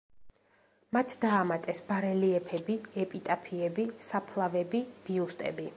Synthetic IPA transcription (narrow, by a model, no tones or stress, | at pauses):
mat̪ʰd̪aːmat̪ʼɛsbaɾɛliɛpʰɛbiɛpʼit̪ʼapʰiɛbisapʰlˠavɛbib̥iust̪ʼɛ̰bi